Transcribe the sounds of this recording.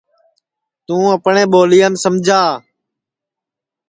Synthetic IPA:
t̪ũːəpɳẽːɓoːlijəmsəmd͡ʒʱaː

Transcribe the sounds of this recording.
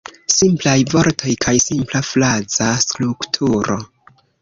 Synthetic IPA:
simplajvo̞ɾtʰo̞jkʰajsimplaflad͡zaskluktʰuɾo̞̰

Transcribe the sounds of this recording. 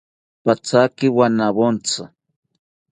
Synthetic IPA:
pat͡sakɪwanaβont͡sa

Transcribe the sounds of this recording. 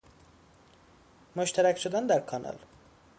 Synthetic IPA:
moʃt̪ʰæɾæcʃod̪ænd̪æɾkʰɒnʔɒ̰l

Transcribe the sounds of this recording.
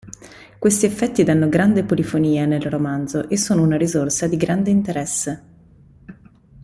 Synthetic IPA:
kwest̪iefːɛt̪ːid̪anːoɡɾand̪epolifoniːanelromand̪zoʔesːoːnounaɾizorsad̪iɡɾand̪eint̪eɾɛsːe

